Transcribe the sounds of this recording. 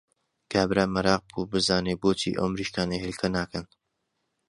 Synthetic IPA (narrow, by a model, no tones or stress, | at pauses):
ɡ̥aːbɾaːmɐɾɑːq̚bubɨzaːneːboːt͡ʃḭːʔo̰wmɾiːʃkaːnehelkʰɐnaːkɐn